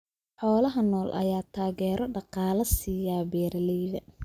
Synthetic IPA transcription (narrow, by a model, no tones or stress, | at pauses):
ħɔːlɐɦɐnɔːlʔɐ̰jaːt̪ʰaːɣɛːɾɔɖɑqɑːlɐsiːjaːbɛːɾɐlɛjðɐ